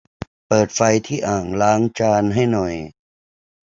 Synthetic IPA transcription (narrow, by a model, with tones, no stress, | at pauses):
pɤː˨˩t̪̚fa˧jt̪ʰiː˥˩ʔaː˨˩ŋlaː˦˥ŋt͡ɕaː˧nɦa˥˩jnɔ˨˩j